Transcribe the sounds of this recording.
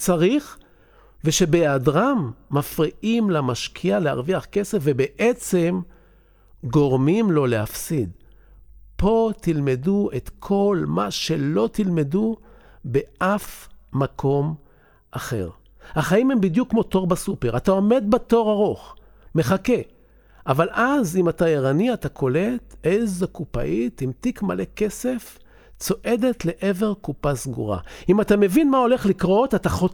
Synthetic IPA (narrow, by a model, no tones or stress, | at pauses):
t͡saʁiχ | veʃe̞beadʁamːafʁiʔimlamaʃkʰialea̰ʁviaχke̞sefvebe̞ʔet͡se̞m | ɡo̞ʁmimlo̞leafsid̪ | po̞t̪ilme̞duet̪kʰo̞lmaʃe̞lo̞t̪ilme̞du | be̞ʔafmakʰo̞m | ʔaχe̞̰ʁ | haχaime̞mbidjukːmo̞to̞ʁbasupe̞ʁatao̞me̞d̪̚bato̞ʁaʁo̞χ | me̞χake̞ | ʔavalʔazimatajeʁaniatakʰo̞le̞tezakupa̰ʔit̪imt̪ikma̰le̞ke̞se̞f | t͡so̞ʔe̞d̪e̞tle̞ʔeve̞ʁkupasɡṵʁa̰imatame̞vinmao̞le̞χlikʁo̞tataχo